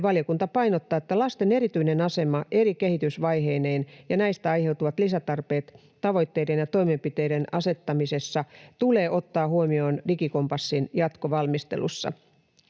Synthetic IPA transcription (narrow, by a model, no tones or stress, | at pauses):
ʋɑljokunt̪ɑpɑjnot̪ːɑːet̪ːælɑst̪ene̞ɾit̪yinenɑse̞mɑʔe̞ɾike̞hit̪ysʋɑjɦe̞ːne̞ːnjɑnæist̪æɑjhe̞wt̪uʋɑt̪lisæt̪ɑrpe̞ːt̪ː | ɑʋo̞jt̪ːe̞jde̞njɑt̪o̞imempit̪e̞idenɑse̞t̪ːɑmise̞sːɑt̪ule̞ːʔo̞t̪ːɑːhuomio̞ːndikiko̞mpɑsːinjɑt̪koʋɑlmist̪elṵsːɑ̰